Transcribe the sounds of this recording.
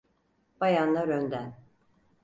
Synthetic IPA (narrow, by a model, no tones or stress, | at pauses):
b̥ajanlˠaɾønd̪æn